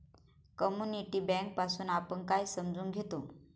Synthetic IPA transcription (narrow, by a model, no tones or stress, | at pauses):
kəmjuniʈiːbɛ̃ŋk̚pasuːnapəɳkajsəmd͡zuːnɡʱet̪o